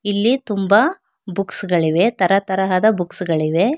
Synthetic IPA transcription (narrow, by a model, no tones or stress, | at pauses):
ilːit̪umbɐ | buksɡɐɭiʋe̞t̪ɐɾɐt̪ɐɾɐɦɐd̪ɐbuksɡɐɭiʋe̞